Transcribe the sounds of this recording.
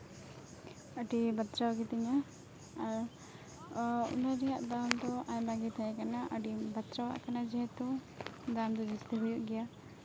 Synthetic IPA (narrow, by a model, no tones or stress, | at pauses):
əʈibat̪t͡ʃawɡɛt̪iɲaː | ɾ | ṵnaɾɛja̰ʔd̪amd̪ɔʔaɲbaɡit̪ʰajɛkanaʔəɖibat̪t͡ʃawa̰ʔkanad͡ʒɛɦɛt̪u | d̪amd̪ɔd͡ʒist̪iɦujuʔɡɛja